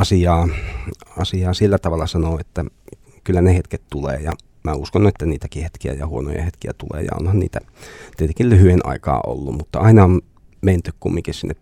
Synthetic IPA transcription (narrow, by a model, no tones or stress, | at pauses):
ɑsiɑː | ɑsiɑːsilːæt̪ɑʋɑlːɑsɑnoːet̪ːæ | kylːænehet̪ket̪t̪ulḛːjɑ | mæuskonet̪ːæniːt̪ækihet̪kiæ̰jɑhuono̰jɑ̰het̪kiæ̰t̪ulḛːjɑ̰o̰nhɑnnḭːt̪æ | t̪iet̪eŋkillyhyenʔɑ̰ikɑ̰ːʔo̰lːummut̪ːɑɑinɑon | meint̪ykkummiŋkissinːep